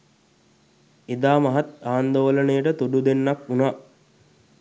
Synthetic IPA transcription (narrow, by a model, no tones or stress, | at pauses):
ed̪aːmɐɦat̪aːnd̪oʋələnəjəʈət̪uɖud̪enːakunaː